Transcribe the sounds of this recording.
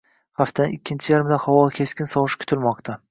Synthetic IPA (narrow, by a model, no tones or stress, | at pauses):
haft̪ʰanʔɪkʲʰːɪnt͡ʃʰɪjaɾɪmd̪ahɒwɒlˠkʲʰe̞skʲɪnsɒʁɨʃkʲʰʊ̥t̪ʰɪlmɒqt̪ʰa